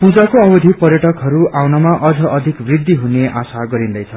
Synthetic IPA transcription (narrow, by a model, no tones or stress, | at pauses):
pud͡zakoʌbʌd̪ʱipʌɾjʌʈʌkɦʌɾuʔawnʌmaʔʌd͡zʌʔʌd̪ʱikbrid̪ːiɦuneʔasaɡʌɾind̪ʌjt͡sʰʌ